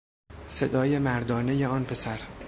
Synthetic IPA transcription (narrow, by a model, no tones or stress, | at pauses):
se̞d̪ɒːjemæɾd̪ɒːne̞jeɒːnpʰe̞sæɾ